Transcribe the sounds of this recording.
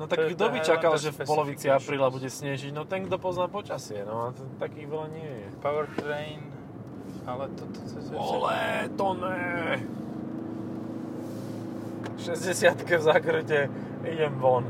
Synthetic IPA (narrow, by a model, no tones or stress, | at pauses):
nɔt̪aɡd̪ɔbit͡ʃakalʒɛfpɔlɔʋit͡siapɾiːlabuɟɛsɲɛʒiɟnɔt̪ɛŋɡd̪ɔpɔznaːpɔt͡ʃasɪɛnɔat̪akiːɣʋɛlaɲɪɛjɛpawɛɾt̪ɾɛjn | alɛt̪ɔt̪ɔsɛzɔlɛt̪ɔnɛ | ʃɛzɟɛsɪat̪kɛvzakɾɨcɛ | iɟɛmʋɔn